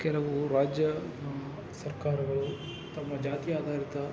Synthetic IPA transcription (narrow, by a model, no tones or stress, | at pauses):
kɛlɐʋuɾaːd͡ʒjɐ | sɐɾkaːɾɐɡɐɭu | t̪ɐmːɐd͡ʒaːt̪ijaːd̪ʱaːɾit̪ɐ